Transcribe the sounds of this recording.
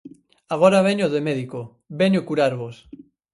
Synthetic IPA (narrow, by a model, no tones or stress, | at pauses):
aɣ̞oɾaβ̞eɲoðemeðiko | beɲokuɾaɾβos